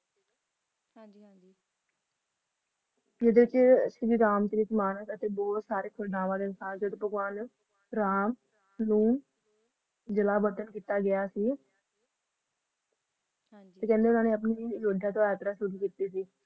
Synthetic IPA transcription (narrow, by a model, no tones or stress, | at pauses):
eːd̪eːʋɪt͡ʃsɡiːɾaːmt̪eːʋɪt͡ʃmaːnəkət̪eːbɔːt̪saːɾeːkʰʊɖãːʋãːd̪eːnɪsaːɾd͡ʒəd̪pəɡʋaːn | ɾaːm | nũː | d͡ʒəlaːbət̪ənkiːt̪aːɡɪjaːsiː | t̪eːkɛ̃ːnd̪eːʊnãːneːəpniːd͡ʒoːɖʱãːt̪õːɛːt̪əɾaːsʊɡiːkiːt̪iːsiː